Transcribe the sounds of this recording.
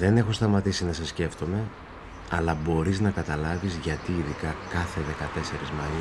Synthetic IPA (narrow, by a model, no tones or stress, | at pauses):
ðe̞ne̞xo̞st̪ɐmɐt̪isinɐsɐsce̞ft̪o̞me̞ | ɐlɐbo̞ɾiznɐkɐt̪ɐlɐvizʝɐt̪iːðikɐkɐθe̞ðe̞kɐt̪e̞se̞ɾizmɐji